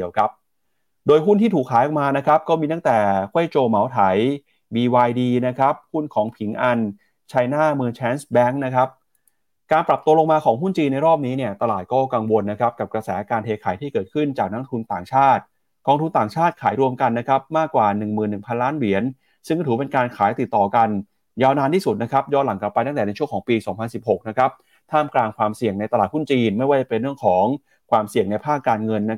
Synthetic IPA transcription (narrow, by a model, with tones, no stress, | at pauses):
wkʰa˦˥p̚ | doː˧jɦu˥˩nt̪iː˥t̪ʰuː˨˩kʰːaː˩˦jʔɔ˨˩k̚maː˧na˦˥kʰa˦˥p̚kɔː˥˩miː˧t̪a˥˩ŋt̪ɛː˨˩kʰwa˥˩jt͡ɕoː˧ma˩˦wt̪ʰa˩˦j | wiː˧waː˧jdiː˧na˦˥kʰɾa˦˥p̚hu˥˩nkʰɔː˩˦ŋpʰi˩˦ŋʔa˧n | t͡ɕʰa˧jnaː˥˩mɯ˧ŋt͡ɕʰɛː˦˥nsbɛ˦˥ŋna˦˥kʰa˦˥p̚ | kaː˧npɾa˨˩p̚t̪u˧əlo˧ŋmaː˧kʰɔː˩˦ŋɦu˥˩nt͡ɕiː˧na˧jɾɔː˥˩p̚niː˦˥ni˥˩ət̪a˧laː˨˩t̪̚kɔː˥˩ka˧ŋwo˧nːa˦˥kʰa˦˥p̚ka˨˩p̚kɾa˧sɛː˩˦kaː˧nt̪ʰeː˧kʰaː˩˦jt̪ʰiː˥˩kɤː˨˩t̪̚kʰɯ˥˩nt͡ɕaː˨˩k̚na˦˥ŋt̪ʰu˧nt̪aː˨˩ŋt͡ɕʰaː˥˩t̪̚ | kɔː˧ŋt̪ʰu˧nt̪aː˨˩ŋt͡ɕʰaː˥˩t̪̚kʰaː˩˦jɾu˧əmka˧nːa˦˥kʰɾa˦˥p̚maː˥˩kːwaː˨˩nɯ˨˩ŋmɯː˨˩nːɯ˨˩ŋpʰa˧nlaː˦˥nli˩˦ən | sɯ˥˩kːt̪ʰuː˩˦p̬e˧nkaː˧nkʰaː˩˦jt̪i˨˩t̪ːɔː˨˩ka˧n | jaː˧wnaː˧nt̪ʰiː˥˩su˨˩t̪̚na˦˥kʰa˦˥p̚jɔː˥˩t̪̚la˩˦ŋkla˨˩pa˧jt̪a˥˩t̪ɛ˨˩na˧jt͡ɕʰu˥˩əkʰɔː˩˦ŋpiː˧sɔː˩˦ŋpʰa˧nsi˨˩p̚ho˨˩k̚na˦˥kʰɾa˦˥p̚ | t̪ʰaː˥˩mklaː˧ŋkʰwaː˧msi˨˩əŋna˧jt̪a˧laː˨˩t̪̚hu˥˩nt͡ɕiː˧nma˥˩jwaː˥˩t͡ɕa˨˩pe˧nrɾɯ˥˩əŋkʰɔː˩˦ŋ | kʰwaː˧msi˨˩əŋna˧jpʰaː˥˩kːaː˧nŋɤ˧nː˦˥